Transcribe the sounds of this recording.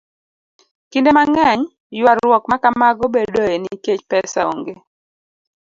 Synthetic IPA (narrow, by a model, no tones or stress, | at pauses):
kindemaŋɛɲ | jwaɾwɔkmakamaɡobedoeniket͡ʃpɛsao̰ŋɡe